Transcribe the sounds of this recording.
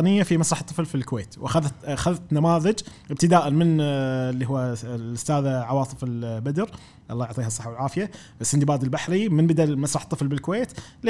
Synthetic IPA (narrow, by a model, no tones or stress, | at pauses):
nɪjːafimasɾɑħt̪ˤːɨflfilkweːt̪wʔaxaðt̪xaðt̪namaːðɪd͡ʒʔɪb̚t̪ɪd̪aːʔanmɪnlːiɦʊwːalʔʊst̪aːðaʕawɑːt̪ˤɨfɪlbad̪ɾ | ʔɑlˤːɑːjʊʕt̪ˤiːɦɑsˤɨ̥ħːawɪlʕaːfɪja | ʔsːɪnd̪ibaːd̪ɪlbaħɾimɪnbɪd̪almasɾˤɑħt̪ˤːɨflbɪlkʊweːt̪l